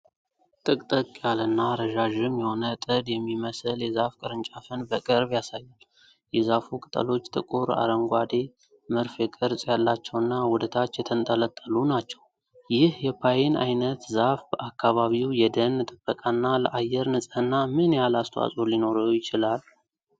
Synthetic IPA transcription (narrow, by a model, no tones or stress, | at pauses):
t̪ʼɨkʼt̪ʼəkʼjalɨnːaɾəʒaʒɨmjɛho̞nət̪ʼɨd̪jɛmːiməsɨljɛzafkʼɨɾɨnt͡ʃʼafənbəkʼəɾbjasajːal | jɛzafukʼɨt̪ʼə̰lo̞t͡ʃːt̪ʼɨkʼuɾa̰ɾəŋɡʷad̪e̞ | mɨɾfjɛkʼɨɾsʼjalːat͡ʃːɛwɨnːawʊd̪ət̪ʰat͡ʃːjɛt̪ʰənt̪ʼələt̪ʼːəlunat͡ʃːɛw | jɪhjɛpʰajenʔa̰jnət̪zafbəʔakːaβaβiwjɛd̪ənɨt̪ʼɨbːəkʼanːaləʔajɛɾnɨsʼənːamɨnjalast̪ʰwa̰sʼolino̞ɾəjɪt͡ʃɪlal